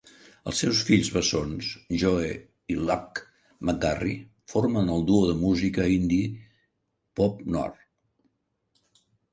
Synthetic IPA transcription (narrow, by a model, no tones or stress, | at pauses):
ə̰lˠsɛwsfiʎzβəsonsʒɔe | ilak | məɡari | foɾmənəlˠd̪uoðəmuzikəind̪i | pɔpnɔ̰r